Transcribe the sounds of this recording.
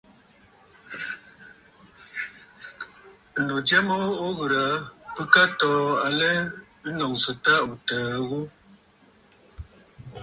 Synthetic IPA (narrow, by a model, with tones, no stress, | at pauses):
no˨d͡ʒɛ˦mɔ˦o˦ɣə˨ɾə˨˦pə˦ka˦tɔː˨˦a˨lɛ˦ | nɔ˨ŋsə˨ta˦u˨təː˨˦ɣu˦